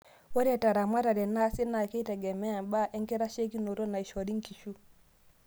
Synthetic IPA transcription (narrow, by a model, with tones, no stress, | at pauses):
wɔ˦ɾɛ˨ta˨ɾa˨ma˦ɾa˨ɾɛ˨na˦si˦na˨ki˦tɛ˨ɡɛ˨mɛ˦a˨mba˦ʔɛ˦ŋkɛ˦ɾa˦ʃe˦ki˦no˨ɾɔ˦na˨i˨ʃɔ˨ɾi˦ŋ˦ki˨ʃu˦